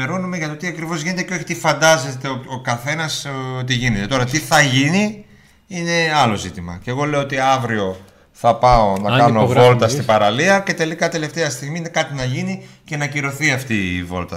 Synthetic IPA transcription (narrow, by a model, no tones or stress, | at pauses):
eɾo̞numeʝɐt̪ot̪iɐkɾivo̞zʝine̞t̪e̞ceo̞çi̥t̪ifɐnd̪ɐze̞t̪eookɐθe̞nɐsot̪iʝine̞t̪e̞t̪o̞ɾɐt̪iθɐʝini | ine̞ɐlo̞zit̪imɐ̰ce̞ɣo̞le̞oot̪iɐvɾio̞ | θɐpɐo̞nɐkɐnovolt̪ɐst̪ibɐɾɐliɐce̞t̪e̞likɐt̪e̞le̞ft̪e̞ɐst̪iɣminekɐt̪inɐʝinice̞nɐciɾo̞θiɐft̪iːvo̞̰lt̪ɐ